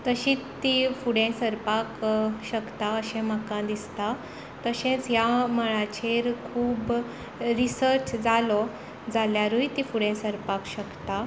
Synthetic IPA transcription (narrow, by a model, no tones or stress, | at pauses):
t̪əɕiːt̪ːifuɽẽsəɾpakɕəkt̪aəɕẽməkãd̪ist̪a | t̪əɕẽt͡sjaməɭat͡ɕeɾkʰuːb | ɾisəɾt͡ɕd͡zalɔ | d͡zaljaɾujt̪ifuɽẽnsəɾpakɕəkt̪a